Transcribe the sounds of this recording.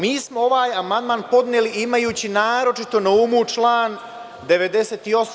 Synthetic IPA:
miːsmoo̞ʋaːjamand̪maːnpo̞d̪neliʔimajuːt͡ɕinaːɾo̞t͡ʃit̪o̞naumut͡ʃlˠaːn | d̪e̞ʋe̞d̪e̞seːt̪io̞s

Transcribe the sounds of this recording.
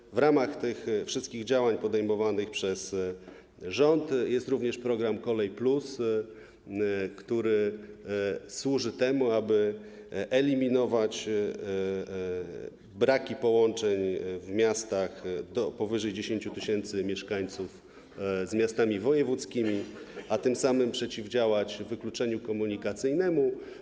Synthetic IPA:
vɾamaxt̪ɘxfʂɘst̪kʲiɣd͡ʑawaɲpɔd̪ɛjmɔvanɘxpʂɛs | ʐɔnt̪jɛst̪ɾuvɲɛʂpɾɔɡɾamkɔlɛjplus | kt̪uɾɘ | swuʐɘt̪ɛmuabɘ | ʔɛlʲimʲinɔvat͡ɕ | bɾakʲipɔwɔnt͡ʂɛɲvmʲjast̪axd̪ɔpɔvɘʐɛjd͡ʑeɕeɲt͡ɕut̪ɘɕɛnt̪sɘmʲjɛʂkaɲt̪suf | zmʲjast̪amʲivɔjɛvut̪skʲimʲiat̪ɘmsamɘmpʂɛt͡ɕivd͡ʑawat͡ɕvɘklut͡ʂɛɲukɔmuɲikat̪sɘjnɛmu

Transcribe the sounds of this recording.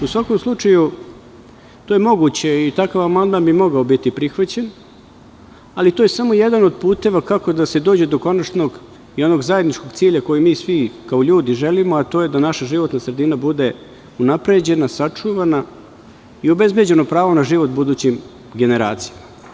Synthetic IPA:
usʋako̞mslˠut͡ʂaju | t̪oje̞mo̞ɡut͡ɕe̞it̪akaʋamand̪manbimo̞ɡaobit̪ipɾixʋat͡ɕe̞n | alit̪o̞ːjesamo̞jed̪ano̞d̪puːt̪e̞ʋakako̞d̪ase̞d̪oːd͡ʑe̞d̪o̞ko̞nat͡ʃno̞ɡ | io̞no̞ɡzaje̞d̪nit͡ʃko̞ɡt̪siːʎako̞jimiːsʋikaoʎuːd̪iʒe̞limoat̪o̞je̞d̪anaʃaʒiʋo̞t̪nasɾe̞d̪inabud̪e̞ | unapɾe̞d͡ʑe̞nasat͡ʂuʋana | iobezbje̞d͡ʑe̞nopɾaːʋo̞naʒiʋo̞t̪bud̪uːt͡ɕim | ɡe̞ne̞ɾa̰ːt̪sijama

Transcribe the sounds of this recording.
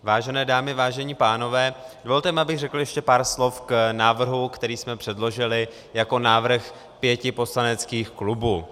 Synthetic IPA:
vaːʒɛnɛːdaːmɪvaːʒɛɲiːpaːno̞vɛːd̥ovolt̪ɛmɪabɪɣrɛkl̩jɛʃcɛpaːɾslo̞fknaːvr̩ɦukt̪ɛɾiːsmɛpr̝̥ɛdlo̞ʒɪlɪ | jako̞naːvr̩x | pjɛcɪpo̞slanɛt͡skiːxklubuː

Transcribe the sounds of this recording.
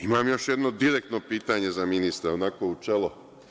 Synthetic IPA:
imaːmjo̞ʃjed̪no̞d̪iɾek̚t̪nopiːt̪aɲe̞zaminist̪ɾaonakout͡ʃelo

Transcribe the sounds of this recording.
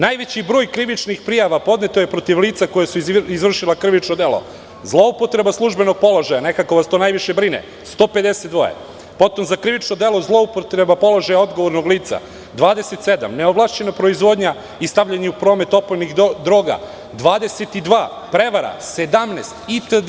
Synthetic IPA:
najʋet͡ɕibɾo̞ːjkɾiʋit͡ʃnixpɾijaʋapo̞d̪ne̞t̪ojepɾo̞t̪iʋliːt̪sako̞jesuizʋr̩ʃilˠakriʋit͡ʃnod̪e̞lˠo̞̰ | zlˠoupo̞t̪ɾe̞baslˠuʒbe̞noɡ̚po̞loʒajane̞kako̞ʋast̪o̞najʋiʃebɾinḛ | st̪o̞ːpe̞d̪eset̪d̪ʋo̞̰jḛ | po̞t̪o̞mzakɾiʋit͡ʃnod̪elˠo̞zlˠo̞upot̪ɾe̞bapo̞lˠo̞ʒajao̞d̪ɡo̞ʋo̞ɾno̞ɡliːt̪sa̰ | d̪ʋaːd̪eset̪sed̪a̰mneoblˠaːʃt͡ɕe̞napɾo̞izʋo̞d̪ɲa | ist̪aʋʎaɲeupɾo̞ːme̞t̪o̞pojnixd̪ɾoːɡa̰ | d̪ʋaːd̪e̞set̪id̪ʋaː | pɾe̞ʋaɾa̰sed̪amnest̪it̪ə

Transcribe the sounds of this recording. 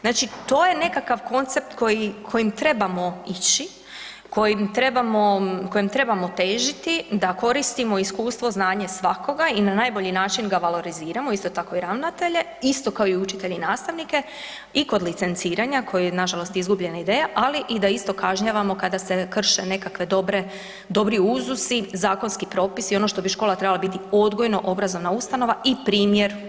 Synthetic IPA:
znaːt͡ʃit̪o̞ːje̞ne̞kakaʋko̞nt̪se̞p̚t̪ko̞jikʰo̞jimt̪ɾe̞bamo̞it͡ɕi | ko̞jimt̪ɾe̞bamo̞ko̞jimt̪ɾe̞bamo̞t̪e̞ːʒit̪id̪ako̞ɾist̪imo̞iskuːst̪ʋo̞znaːɲesʋako̞ɡainanaːjbo̞ʎinaːt͡ʃinɡaʋalˠo̞ɾiziːɾamoist̪o̞t̪ako̞iɾaʋnat̪e̞ʎe̞ | ist̪o̞kaoiut͡ʃit̪e̞ʎeinaːst̪aʋnike̞ | iko̞d̪lit̪se̞nt̪siːɾaɲakʰo̞jejnaʒalo̞st̪izɡubʎe̞naid̪eːjaʔaliʔid̪aist̪o̞kaʒɲaʋamo̞kad̪ase̞kr̩ʃene̞kakʋe̞d̪obɾe | d̪o̞bɾiuzusizaːko̞nskipɾo̞ːpisio̞no̞ʃt̪o̞biʃko̞lˠat̪ɾe̞balabit̪io̞d̪ɡo̞jno̞ʔo̞bɾazo̞ʋnaust̪ano̞ʋaʔipɾiːmjeɾ

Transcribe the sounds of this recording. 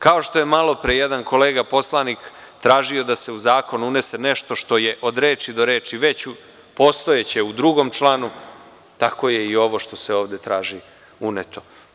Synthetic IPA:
kao̞ʃt̪o̞je̞malˠo̞pɾejed̪anko̞leːɡapo̞slˠanik | t̪ɾaːʒio̞d̪ase̞uzaːko̞nuune̞seneʃt̪o̞ʃt̪o̞je̞ʔo̞d̪ɾeːt͡ʃid̪o̞ɾe̞ːt͡ʃiʋet͡ɕu | po̞ːst̪o̞jet͡ɕe̞ud̪ɾuɡo̞mt͡ʃlˠaːnu | t̪ako̞je̞io̞ʋo̞ʃt̪o̞se̞oːʋd̪e̞t̪ɾaːʒi | unet̪o̞

